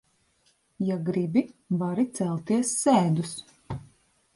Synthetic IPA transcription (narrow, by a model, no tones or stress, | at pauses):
jaɡɾibivaɾit̪sɛlˠt̪iɛsːɛːd̪us